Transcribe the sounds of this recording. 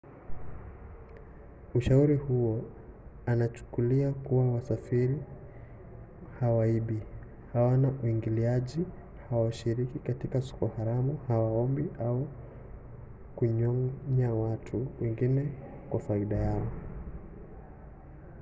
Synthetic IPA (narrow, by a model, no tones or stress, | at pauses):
uʃauɾihuɔ | anat͡ʃu̥kuliakuwawasafiɾi | hawaiɓi | hawanaʔuiŋɡiliaʄi | hawaʃiɾikikatikasu̥kɔhaɾamuhawaɔmbiʔau | kuɲɔɲawatʰuwɛŋɡinɛ | kwafaiɗajaɔ